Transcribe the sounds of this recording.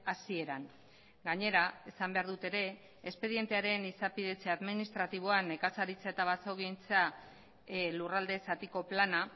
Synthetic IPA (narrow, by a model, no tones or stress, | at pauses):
asie̞ɾaŋ | ɡaɲe̞ɾae̞sambeaɾðut̪e̞ɾe̞ː | spe̞ðie̞nt̪e̞aɾe̞nisapið̞e̞t͡seaðminist̪ɾat̪iβ̞o̞ane̞kasaɾit͡sae̞t̪aβ̞asowɣint͡sa | lurald̪e̞sat̪iko̞plana